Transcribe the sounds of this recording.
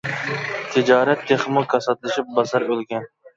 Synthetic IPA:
t̪ʰɪd͡ʒɑːɾɛt̪ʰːeχmʊkʰɑsɑt̪lˠɨʃip̚bɑsɑɾølɡʲɛn

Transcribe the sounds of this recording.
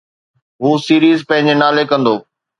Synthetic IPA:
ɦuːsiːɾiːzpɐ̃ɦɪ̃ɲd͡ʑenaːlekɐ̃nd̪oː

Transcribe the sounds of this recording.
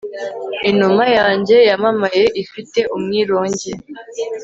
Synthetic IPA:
inumajaːɲɟe̞jamamaje̞ʔifite̞ʔumŋiːɾo̞ːɲɟe

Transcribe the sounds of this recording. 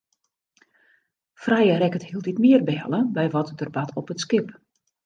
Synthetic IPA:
frajərɛkəthilˠtitmiərbɛɛ̰lˠəbɛjʋɔtdərbatʰɔpətskɪp

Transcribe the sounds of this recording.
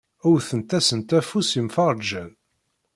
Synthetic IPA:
ʊɾθənt̪æsənt̪æfusimfɑʁˤd͡ʒæð

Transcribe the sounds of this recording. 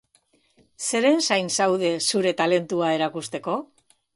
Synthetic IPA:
se̞ɾe̞nsajnsawðe̞suɾe̞t̪ale̞nt̪uae̞ɾakust̪e̞ko̞

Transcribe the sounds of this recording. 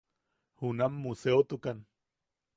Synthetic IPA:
hunamːuseot̪ukan

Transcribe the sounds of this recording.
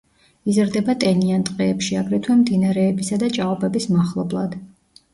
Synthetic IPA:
izɾd̪ɛbat̪ʼɛniant̪ʼqʼɛːpʃiaɡɾɛt̪ʰwɛmd̪inaɾɛːbisad̪at͡ʃʼaɔbɛbismaχlˠɔblˠa̰d̪̥

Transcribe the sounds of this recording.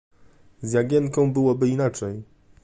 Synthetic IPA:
zʲjaɡʲjɛnkɔ̃w̃bɘwɔbɘinat͡ʂɛj

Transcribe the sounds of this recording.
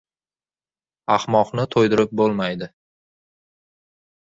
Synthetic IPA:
ahmɒqnɪt̪ʰojd̪ɪɾɪp̚bolˠmajd̪ɪ

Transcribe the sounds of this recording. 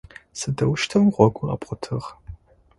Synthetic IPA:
sɨdɐwʃtʰɐwʁʷɔɡʷʼʊɐ̰pʼqʷʊtʰɨʁ

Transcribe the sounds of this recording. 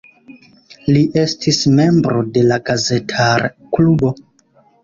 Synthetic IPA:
liʔe̞stʰisme̞mbɾo̞de̞laɡazetʰaɾ | klubo̞

